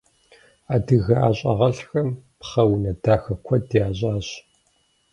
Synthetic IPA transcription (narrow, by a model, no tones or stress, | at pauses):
aːdɨɣɐʔa̰ːɕʼɐ̰ʁɐɬxɐmpχɐwnɐdaːxɐkʷʰɔdjaːɕʼaːɕ